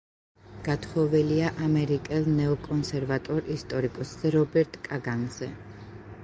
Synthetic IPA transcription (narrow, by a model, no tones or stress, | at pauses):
ɡ̥at̪ʰχɔvɛliaʔamɛɾikʼɛlˠnɛɔkʼɔnsɛɾvat̪ʼɔɾist̪ʼɔɾikʼɔszɛɾɔbɛɾt̪ʼkʼaɡanz̥ɛ